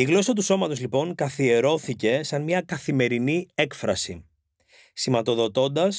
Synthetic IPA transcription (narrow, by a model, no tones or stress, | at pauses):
iɣlo̞sɐt̪uso̞mɐt̪o̞zlipo̞ŋkɐθie̞ɾo̞θice̞sɐnmɲɐkɐθime̞ɾinie̞kfɾɐsḭ | simɐt̪o̞ðo̞t̪o̞nd̪ɐs